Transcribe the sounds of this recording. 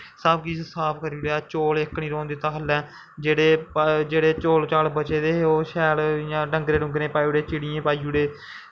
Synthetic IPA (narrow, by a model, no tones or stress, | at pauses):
saːb̚kiːssaːpʰkəɾiːɽeaːt͡ʃoːlɪkːɳĩːɾõːnd̪eːt̪ãːɦəlɛː | d͡ʒeːɽeːpd͡ʒeːɽeːt͡ʃoːlt͡ʃaːlbət͡ʃeːd̪eːoːʃɛːljãːɖə̃ŋɡɾeːɖʊ̃ŋɡɾẽːpaːiːuɽeːt͡ʃɪɽɪjẽːpaːiːuɽeː